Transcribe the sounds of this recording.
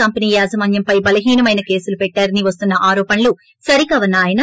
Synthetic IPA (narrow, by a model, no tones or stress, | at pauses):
ɐmpɐniːjaːzɐmɐːnjɐmpɐjbɐlɐɦiːnɐmɐjnɐke̞ːsulupɛʈːaːɾɐniʋɐs̬t̪unːɐʔaːɾɔːpɐnɐlu | sɐɾikaːʋɐnːaːjɐnɐ